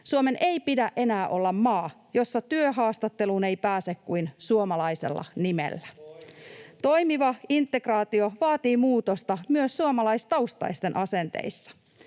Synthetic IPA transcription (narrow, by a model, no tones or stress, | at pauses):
suome̞nʔejpidæʔʔe̞næːʔo̞lːɑmːɑː | jo̞sːɑt̪yøɦɑːst̪ɑt̪ːe̞lune̞jpæːsekkujnsuomɑlɑise̞̰lːɑ̰nimḛlːæ | t̪o̞jmiʋɑint̪ːe̞krɑːt̪io̞ʋɑːt̪iːmuːt̪ost̪ɑmyøsːuomɑlɑist̪ɑust̪ɑ̰jst̪enʔɑse̞nt̪ḛjsːɑ̥